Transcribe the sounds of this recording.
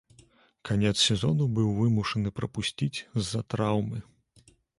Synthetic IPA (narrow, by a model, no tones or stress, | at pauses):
kʰanʲɛt̪ssʲɛzɔnubɨwvɨmuʂɐnɨpɾɐpusʲt͡sʲit͡sʲzːɐt̪ɾawmɨ